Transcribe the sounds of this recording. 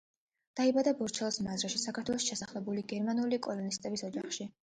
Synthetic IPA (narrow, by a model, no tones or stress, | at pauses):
d̪̥aibad̪abɔɾt͡ʃʰɛlˠsmazɾaʃisakʰaɾt̪ʰwɛlˠɔʃi̥ʃʰɛsaχlɛbuliɡɛɾmanulikʼɔlˠɔnist̪ʼɛbisɔd͡ʒaχʃi